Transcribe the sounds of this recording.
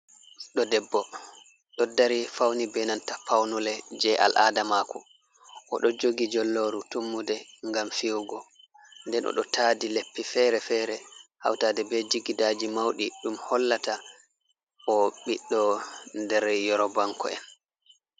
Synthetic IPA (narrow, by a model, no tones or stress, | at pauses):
ɗɔdɛbːɔ | ɗɔdaɾifawnibɛnantapawnulɛd͡ʒɛʔa̰lʔa̰damakɔ | ʔɔɗɔd͡ʒoɡid͡ʒɔlːoɾutumːudɛŋɡamfiwɡɔ | ndɛnʔɔ̰ɗɔ̰tʰaːdilepːifɛːɾɛfɛɾɛha̰wtaːdɛbɛd͡ʒiɡidaːd͡ʒimawɗiɗumhɔlːata | ɔɓiɗːɔndɛɾjɔɾɔbaŋkɔ̰ɛ̰n